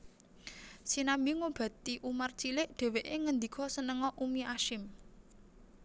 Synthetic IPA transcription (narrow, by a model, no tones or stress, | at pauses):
sinambiŋob̥ä̤t̪iʔumart͡ʃilɪʔɖ̪̥ɛ̤weʔeŋənd̪ikʰɔsənəŋɔʔumiaʃɪm